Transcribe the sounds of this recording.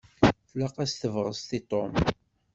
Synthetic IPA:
θlaqæst̪əvʁəzt̪it̪ˤom

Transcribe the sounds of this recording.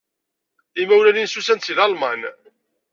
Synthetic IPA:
imæwlæninsusænsilɑlmɑn

